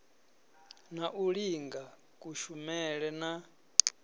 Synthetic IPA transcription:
naʔuɺiŋɡa | kʼuʃumɛɺɛna

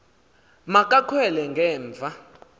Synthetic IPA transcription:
makʼakʰwɛlɛŋɡʱɛːɱb̪vʱa

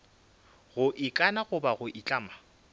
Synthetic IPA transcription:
ɣʊʔɪkʼanaɣʊbaɣʊʔɪt͡ɬʼaːma

